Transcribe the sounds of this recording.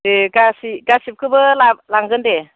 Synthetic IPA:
deɡasiɡasip̚kʰɯbɯlalaŋɡɯnde

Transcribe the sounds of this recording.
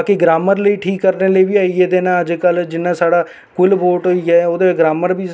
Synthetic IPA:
kiɡɾaːməɾləiːʈʰiːkːəɾneːləiːbiːaːieːd̪eːnãːəd͡ʒkəld͡ʒɪnːãːsaːɽaː | kʊlboːʈɦoːiːɦɛːoːd̪eːɡɾaːməɾbiː

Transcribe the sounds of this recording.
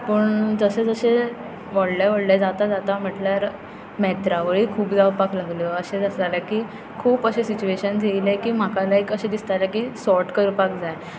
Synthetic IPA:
pəːɳd͡zəɕed͡zəɕe | ʋəɽlaʋəɽljad͡zat̪ad͡zat̪am̤əʈljaɾ | mɛt̪ɾaʋəɭiːkʰuːpd͡zawpaklaɡljəəɕed͡zast̪alakiː | kʰuːpəɕesit͡ɕueɕənd͡zʱeilekiːm̤akalaekəɕed̪ist̪alakiːsɔɾʈkəɾpak̚d͡zaj

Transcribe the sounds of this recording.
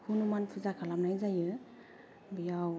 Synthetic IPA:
hʰunumanpʰɯzakʰalamnajzajɯ | bijaw

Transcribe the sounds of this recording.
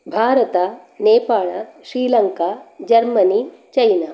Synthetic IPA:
bʱaːɾɐt̪a | neːpaːɭaʃɾiːlɐŋkaːd͡ʒɐɾmɐnit͡ʃɐjnaː

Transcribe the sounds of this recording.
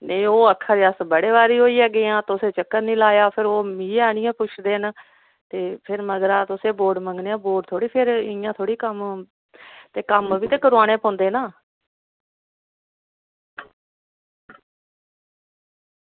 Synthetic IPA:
neioːəkʰːaːɾeːəsbəɽeːʋaːɾiːɦoːiːɛːɡeːãːt̪ʊseːt͡ʃəkːəɾnĩːlaːjaːpʰɪɾoːmiːaːnɪjãːpʊt͡ʃʰd̪eːn | t̪eːpʰɪɾməɡɾaːt̪ʊseːboːɖmə̃ŋɡneːãːboːɖt̪ʰoːɽiːpʰɪɾjãːt̪ʰoːɽiːkəm | t̪eːkəmʋiːt̪eːkəɾoaːñẽːpɔ̃ːnd̪eːnaː

